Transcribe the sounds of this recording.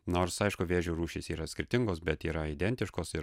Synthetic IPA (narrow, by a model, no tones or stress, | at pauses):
noːɾsɐɪʃkʊʋʲeːʒʲuːɾuːʃʲisiːɾɐsʲkʲɪɾʲt̪ʲɪŋɡoːsbʲɛt̪iːɾɐid̪ʲɛnʲt̪ʲɪʃkoːsɪɾ